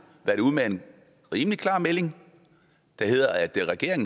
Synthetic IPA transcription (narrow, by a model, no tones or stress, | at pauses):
ʋæɐɾ̥euð̰ˠmee̝n | ʁiːmlikʰlɑ̰̈ːmele̝ŋ | d̥æhe̝ð̰ˠɐæd̥eʁɛɡ̥e̝ɐ̰e̝ŋn